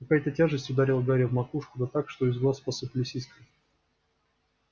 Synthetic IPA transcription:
kɐkajt̪ətʲaʐɨsʲtʲʊd̪aɾʲelˠɡaɾʲɪvmɐkuʂkʊd̪ət̪akʂt̪oɪzɡlˠaspəsɨpʲlʲɪsʲiskə

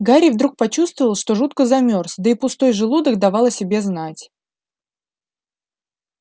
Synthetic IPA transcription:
ɡaɾʲɪjvd̪ɾuk̚pɐt͡ɕust̪vəvəlˠʂt̪o̞ʐut̪kəzɐmʲo̞rsʲd̪əɪpʊst̪o̞jʐɨlˠud̪əkd̪ɐvɑlˠəsʲɪbʲe̞znatʲ

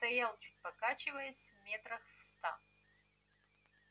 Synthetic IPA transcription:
st̪ɐjalˠt͡ʃʰut̚ʲpɐkat͡ʃɪvɐjɐsʲvmʲet̪rɐxvst̪a̰

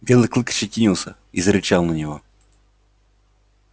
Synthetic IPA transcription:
bʲelˠɨklˠɨkə̥t͡ɕːəkʲinʲilˠsʲə | izəɾʲɪt͡ɕalˠnɐnʲivo̰

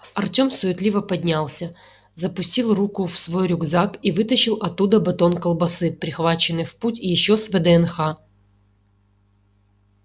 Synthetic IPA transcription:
ɐrtʲo̞msʊjɪt̪lʲivəpɐdʲnʲalˠsʲə | zəpʊsʲtʲilˠrukʊfsvo̞jɾʲʊɡzakivɨt̪əɕɪlˠɐt̪ːud̪əbɨt̪o̞nkəlˠbɐsɨpɾʲɪxvat͡ɕɪnːɨjfputʲjɪɕːosvɛd̪ɛɛnxa

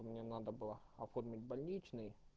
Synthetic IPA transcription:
mʲnʲenad̪əbɨlˠəɐformʲɪtʲbɐlʲnʲit͡ɕnɨj

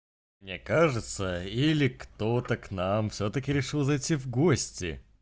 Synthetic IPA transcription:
mnʲekaʐɨt̪səilʲɪkt̪o̞t̪əknamfsʲot̪əkʲɪɾʲɪʂɨlˠzɐjtʲivɡosʲtʲɪ̰

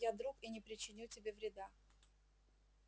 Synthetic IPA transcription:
jad̪ɾukinʲɪpɾʲɪt͡ɕːɪnʲutʲɪbʲevɾʲɪd̪a

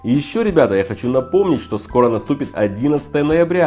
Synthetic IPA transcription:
ijɪɕːo̞ɾʲɪbʲat̪əjaxɐt͡ɕunɐpo̞mnʲɪtʲʂt̪o̞sko̞ɾənɐst̪upʲɪt̪ɐ̰dʲinət̪sə̥t̪əjənəjɪbɾʲa

